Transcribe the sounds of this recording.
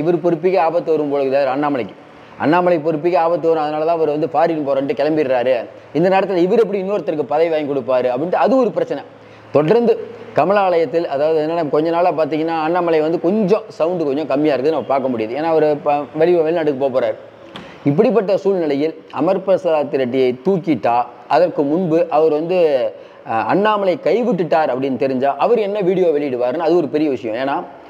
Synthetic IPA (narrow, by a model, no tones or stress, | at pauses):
ɪʋɐɾɯpɔɾɯpːɪkːɐaːbɐt̪ːɯʋɐɾɯ̃mpoːɭɐɪðaːɐɾɯɐnːaːmɐɭɐɪkːɯ | ʔɐ̰nːaːmɐɭɐɪpːɔɾɯp̬ːɪkːeaːbɐt̪̬ːɯʋɐɾɔ̃ɐðɐnaːlɐt̪ãːɐʋɐɾɯʋɐnd̪ɯfaːɾɪnɯmpoːɾɐɳɖɯkɛlɐmbɪɾɾaːɾɯ | ɪnd̪ɐnɛːɽɐt̪ːɪlɪʋɐɾɛp̬ːɐɽiɪnːoːɾɐt̪ːɪɾk̬ːɯpɐðɐɪʋaːjɐŋkɔɽɯpːaːɾɯɐpːɐɽɪɳʈːɯɐðɯɔɾɯpɪɾɐt͡ʃːɐnɐ | t̪ɔʈɐɾnd̪ɯkɐmɐlaːɭɐjɐt̪ːɪlɐðaːʋɐðɯenːaːmɐkɔɲd͡ʒɐnaːlapaːɾt̪̬iːŋɡɐnːaːɐnːaːmɐɭɐɪʋɐnd̪ɯkɔɲd͡ʒɔ̃sɐʊnɖɯkɔɲd͡ʒɔ̃kɐmːɪjaːɪɾɯkːðɯnɐmːɐpaːɾkɐmʊɽɪjɐðɯeːnaːɐʋɐɾɯʋɛɭɪʋɐʋlnaːɽɯkːɯpoːɐp̬oːɾaːɾɯ | ɪp̬ːɐɽɪp̬ːɐʈːɐsuːlnɪlɐjɪl | ɐmɐɾpɾɐsaːðɐt̪ːɪɾɐʈːɪjɐɪt̪uːkɪʈːaː | ʔɐðɐrkɯmʊnbɯʔɐʋɐɾʋɐnd̪ɯ | ɐnːaːmɐlɐɪkɐɪʋɪʈːɯʈːaːɾɐpːɐɽɪnːt̪ɛɾɪɲd͡ʒaːʔɐʋɐɾɛnːɐʋiːɽɪjoːʋɛɭɪjɪɽɯʋaːɾɯnaɐðɯɔɾɯpɛɾɪjɐʋɪʂɐjɔ̃eːnaː